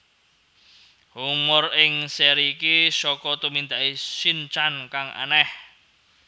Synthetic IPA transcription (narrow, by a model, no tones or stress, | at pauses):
humʊrɪŋsɛɾikisɔkɔt̪umind̪aʔisint͡ʃankaŋʔa̰nɛh